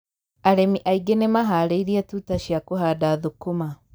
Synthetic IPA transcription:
aɾemiʔaiɡenemaɦaleiɾiatutaʃiakuɦadaðukuma

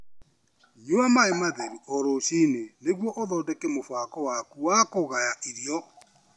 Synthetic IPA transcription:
joamaemaðɛɾiʔɔɾoɕineneɣwɔʔoðɔdɛkemofwakɔwakuwakoɣajaʔiɾjɔ

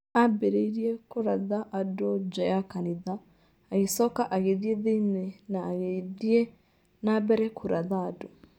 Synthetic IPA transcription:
abɛɾeiɾiekuɾaðaʔadod͡ʒajakaniðaː | ɣisɔkaʔaɣeðiɛðinɛnaːɣeðie | nabɛɾɛkʰuɾaðaːdo

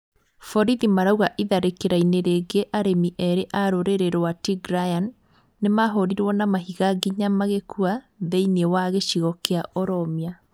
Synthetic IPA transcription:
fɔɾiðimaɾauɣaʔiðaɾekeɾaineɾeɡeʔaɾemiʔɛɾeʔaɾoɾeɾeɾowatiɡɾajanː | emaɦoɾiɾwɔnamaɦiɣaɡiɲamaɣekua | ðeinewaɣeɕiɣɔkeaʔɔɾɔmia

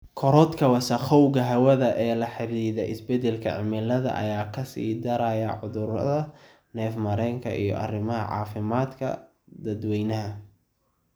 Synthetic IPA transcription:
kʰɔɾɔd̪kʰɐwɐsɐχɔwɣɐɦɐwɐðɐʔɛːlɐħɪɾiːðɛɪsbɛd̪ɛlkʰɐ̰ʕɪ̰mɪlɐðɐ̰ʔɐ̰jaːkʰɐsḭːd̪ɐɾajɐʕʊðʊɾɐ̰ðɐ | nɛːfmɐɾɛːŋkʰɐ̰ʔḭjɔ̰ʔɐ̰rɪmɐɦɐ̰ʕɑ̰ːfɪmaːd̪kʰɐ̰ | d̪ɐd̪wɛjnɐɦɐ

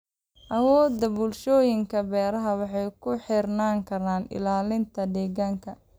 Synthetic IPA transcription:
ʔɐwɔːd̪ːɐbʊlʃɔːjɪŋkʰɐbɛːɾɐɦɐwɑħɑjkʰʊħɪrnaːŋkʰɐɾaːnɪ̰laːlɪnt̪ʰɐd̪ɛːɣaːŋkʰɐ

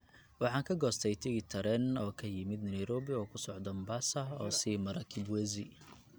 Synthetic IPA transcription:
wɑħɑːŋkʰɐɡɔːst̪ʰɛjt̪ʰɪɡɪt̪ʰɐɾɛnɔːkʰɐjɪmɪd̪nɛjɾɔːbɪɔːkʰʊsɔʕd̪ɔmbaːsɐɔ̰ːsiːmɐɾɐkʰɪd̪wɛzɪ

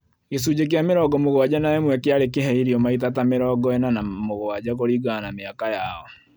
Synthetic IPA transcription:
ɣes̬ud͡ʑek̬eameɾɔɡɔmoɣwad͡ʑanaɛmwɛkeaɾekeɦɛiɾiɔmaitatameɾɔːɡɔɛnanamoɣowaɟakoɾiɡanameakajaɔ

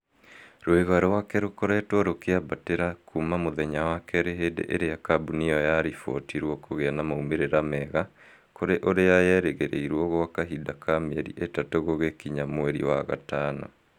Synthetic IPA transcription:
ɾoeɣaɾowakɛɾokoɾɛtwɔɾokeabateɾakʰumamoðɛɲawakɛɾeɦeːdḛʔeɾejakabuniɔjaɾifɔ̰tiɾwɔkoɣeanamaumeɾeɾamɛɣa | koɾeʔoɾejajɛɾeɣeɾḛiɾwɔɣowakaɦidakameɛɾḭʔetatoɣoɣekiɲamoeɾḭwaɣa̰taːnɔ̰

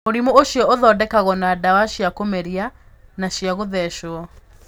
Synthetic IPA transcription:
oɾimooʃiɔoðɔdɛkaɣɔnadawaʃiakomeɾianaʃijaɣoðɛʃwɔ

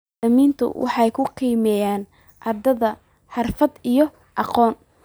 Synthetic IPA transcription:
ɐmiːnt̪ʰʊ̰wʔɑ̰ħɑjkʰʊqiːmɛjaːn | ʔɑrd̪ɐðɐ | ħɑrfɐd̪ijɔ | ʔɑqɔːn

